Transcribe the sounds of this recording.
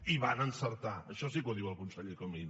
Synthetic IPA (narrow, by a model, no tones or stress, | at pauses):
iβanənsəɾt̪aəʃɔsik̬woðiwəlˠkunsɛʎðəkomin